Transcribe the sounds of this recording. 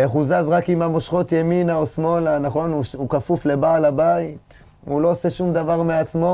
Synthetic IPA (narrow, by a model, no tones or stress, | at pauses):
eχuzazʁakimamo̞ʃχo̞t̪jeminaosmo̞lanaχo̞nuʃukafufle̞baːlabait̪ | ulo̞ːse̞ʃumd̪avaʁmeat͡smo̞